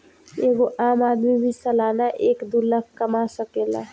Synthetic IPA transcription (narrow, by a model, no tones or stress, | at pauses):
eɡoʔamad̪mibʱisəlanaʔekd̪ulək̚ʰkəmasəkela̰